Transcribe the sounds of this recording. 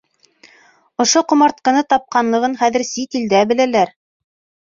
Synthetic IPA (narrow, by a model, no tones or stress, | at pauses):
ŏʃoqŏmɑɾt̪̚qɤ̆nɤt̪ɑp̚qɑnlˠɤ̆ʁɤnχæðɘ̆ɾsit̪ild̪æbɘ̆lælæɾ